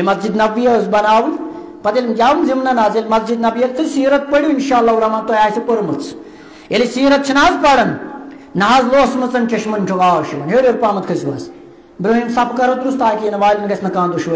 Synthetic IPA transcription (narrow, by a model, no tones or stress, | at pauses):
lʲimɐsd͡ʒid̪nɐʋijɐsbɐnaːʋun | pɐt̪ilmɡʲaːwumzimnɐnaːzelʲimɐsd͡ʒid̪nɐbjɐlt͡sɐlsiːɾɐt̪̚pɐɽʲiinʃaːlːaːuɾɐmaːnt̪ojaːsipɐɾumɐt͡s | elisiːɾɐt̪̚t͡ʃʰinaːzkɐɽɐnː | ɐɦaːzloːsmɐt͡sɐnt͡ʃɐʃmɐnʈʰuɡaːwʃiʋɐnɦeːɾʲɐɾpaːmɐt̪̚kʰɐsiʋɐ̰s | bɾoːinsɐpkɐɾɐt̪ɾust̪aːkinɐʋaːlʲinɡɐsʲnɐkãːnd̪uʃʋɐ